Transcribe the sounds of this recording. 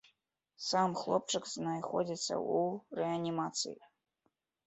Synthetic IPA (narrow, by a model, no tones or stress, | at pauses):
samχlˠop̚ʈ͡ʂʰɨkz̥najχod͡zʲit̪sʰɐ̰ureanʲimat̪t͡sʰɨ̰ji